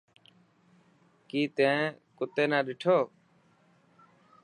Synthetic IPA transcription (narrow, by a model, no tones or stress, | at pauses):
kiːt̪ẽːkʊt̪eːnãːɗɪʈʰoː